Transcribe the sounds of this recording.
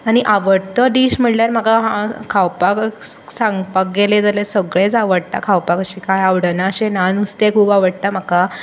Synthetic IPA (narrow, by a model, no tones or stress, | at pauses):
aɽ̃iʔaʋəɽt̪əd̪iːɕm̤əʈljaɾm̤akaɦãkʰawpak | sãŋɡpak̚ɡeled͡zalesəɡɭet͡saʋəɽt̪a̰kʰawpakəɕiːkajaʋɽənaɕẽnanust̪ekʰuːbaʋəɽt̪am̤aka